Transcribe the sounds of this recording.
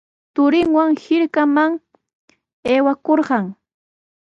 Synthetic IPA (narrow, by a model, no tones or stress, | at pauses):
t̪ʊɾɪŋwaŋhɪɾkamaŋ | eːwakoɾɢɑŋ